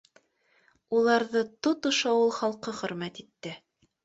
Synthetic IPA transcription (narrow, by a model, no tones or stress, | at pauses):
ulˠɑɾðɤt̪ot̪ŏʃɑwɤlˠχɑlˠqɤχɵ̆ɾmæt̪it̪ːɘ